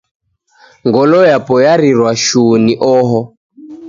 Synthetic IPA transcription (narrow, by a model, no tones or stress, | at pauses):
ŋɡɔlɔjapɔjaɾiɾwaʃuniʔɔɦɔ